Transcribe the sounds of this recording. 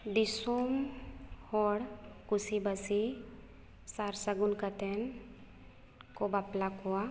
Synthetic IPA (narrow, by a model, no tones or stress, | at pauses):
ɖisum | hɔɽkusibəsi | saɾsəɡunkət̪en | kobaplakoa